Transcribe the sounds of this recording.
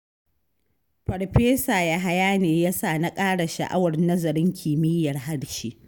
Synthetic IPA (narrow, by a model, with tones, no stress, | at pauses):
pɐ˨rɸeː˦saː˨ja˦ɦa˦jaː˦neː˨ja˦saː˦˨na˦kʼaː˦ɽa˨ʃa̰˨ʔa̰˦wɐ˨rnɐ˦zɐ˨ɾɪ˦ŋkʲʰɪː˨mɪ˦jːɐ˨rɦa˦ɽt͡ʃiː˦ʔ